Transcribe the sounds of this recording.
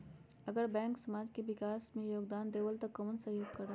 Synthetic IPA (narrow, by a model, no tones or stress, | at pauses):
ɐɡəɾbɛ̃ːŋksɐmaːd͡ʒkeʋɪkaːsmẽjoːɡd̪aːnd̪eːʋəlt̪ɐkːɐmənsɐɦjoːɡ̚kɐɾa